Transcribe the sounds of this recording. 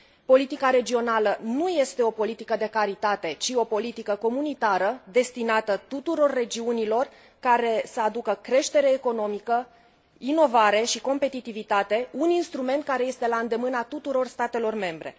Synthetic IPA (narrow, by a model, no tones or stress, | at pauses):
po̞lit̪ikaɾe̞d͡ʒio̞nalənuje̞st̪e̞opo̞lit̪ikəd̪e̞kaɾit̪at̪e̞t͡ʃio̞po̞lit̪ikəko̞munit̪aɾəd̪e̞st̪inat̪ət̪ut̪uɾo̞rːe̞d͡ʒiunilo̞r | kaɾe̞səad̪ukəkɾe̞ʃt̪e̞ɾe̞ːko̞no̞mikə | ino̞vaɾe̞ʃiko̞mpe̞t̪it̪ivit̪at̪e̞uninst̪ɾume̞nt̪̚kaɾe̞je̞st̪e̞laɨnd̪e̞mɨnat̪ut̪uɾo̞rst̪at̪e̞lo̞rme̞mbɾe̞̰